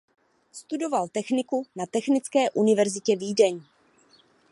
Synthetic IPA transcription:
st̪udo̞valt̪ɛxnɪkunat̪ɛxnɪt͡skɛːʔunɪvɛɾzɪcɛviːdɛɲ

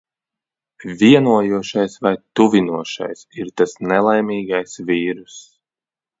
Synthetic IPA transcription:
vʲiɛnuɔjuɔʃajsvajt̪uvinuɔʃa̰jsiɾt̪asnɛlˠajmiːɡajsviːɾus

